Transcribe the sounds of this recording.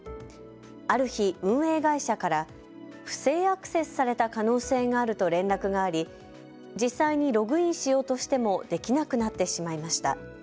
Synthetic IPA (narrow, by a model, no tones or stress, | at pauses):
aɾɯ̟çiɯ̟̃ɰ̃e̞ːɡaiɕakaɾa | ɸɯ̟̥se̞ːakɯ̟̥se̞sɨ̥saɾe̞t̪akano̞ːse̞ːɡaːɾɯ̟t̪o̞ɾẽ̞nɾakɯ̟ɡaːɾʲi | d͡ʑisːaiɲ̟iɾo̞ɡɯ̟ĩɰ̃ɕijo̞ːt̪o̞ɕi̥t̪e̞mo̞d̪̥e̞kʲinakɯ̟nat̪ːe̞ɕimaimaɕi̥t̪a̰